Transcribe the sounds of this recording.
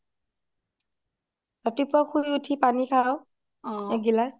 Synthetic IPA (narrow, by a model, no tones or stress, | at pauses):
tatipʊaxujutʰipanikʰaw | ɛɡilas